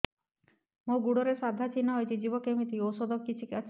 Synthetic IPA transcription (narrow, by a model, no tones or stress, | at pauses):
moɡuɽoɾesad̪ʱat͡ʃinːɔɦojt̪ʰid͡ʒibɔkemit̪iowsod̪ʱɔkkːit͡ʃʰikat͡ʃʰ